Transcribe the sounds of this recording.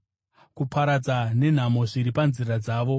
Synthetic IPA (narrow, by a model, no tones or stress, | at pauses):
kupʰaɾad͡zane̞n̤amo̞ʐiɾipanzirad͡zaːʋo̞